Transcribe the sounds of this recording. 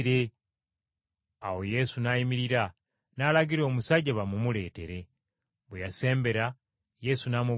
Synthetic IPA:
ɾe | a̰wo̞je̞sunaimiɾiɾa | nalaɡiɾo̞ːmusaɟeβamumule̞ːte̞̰ɾe̞ | βwejase̞ːmbe̞ɾa | je̞sunamu

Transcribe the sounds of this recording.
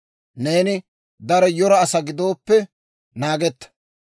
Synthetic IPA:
ne̞ːnɪ | d̪ɐɾɛjɔɾɐːsɐɡɪd̪o̞ːpːɛ | naːɡɛt̪ːɐ̥

